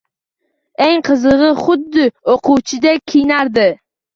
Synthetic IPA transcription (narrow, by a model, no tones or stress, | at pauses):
eŋqʰɨzɨʁɨχʊd̪ːɪoqʰʊwt͡ʃʰɪd̪akʲʰijnaɾd̪ɪ